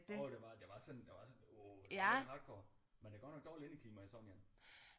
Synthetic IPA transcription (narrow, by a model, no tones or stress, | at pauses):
d̥d̥eʋɑ̈d̥eʋɑ̈sɒ̽nd̥eʋɑ̈sɒ̽no̥æɑd̥̚kʰɒː | mend̥eɡɒnɒ̽ɡ̥̚d̥ɒ̰ːlienit͡sʰiːmɐisɒ̽ŋɡæn